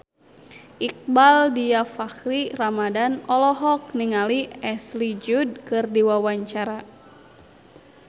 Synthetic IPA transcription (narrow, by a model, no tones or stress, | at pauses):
ʔik̚baldijafakɾiramadanɔlɔɦɔk̚niŋaliɛslid͡ʒud̚kɨrdiwawaɲt͡ʃaɾa